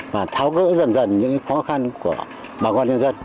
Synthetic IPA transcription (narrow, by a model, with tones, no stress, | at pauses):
vaː˨˩t̪ʰaː˨˦wkə̰ː˧˥zə˨˩nzə˨˩nɲɨ̰˧˥ŋkxɔ˨˦xa˧nku˧˩ə | ɓaː˨˩kɔ˧nɲə˧nzə˧n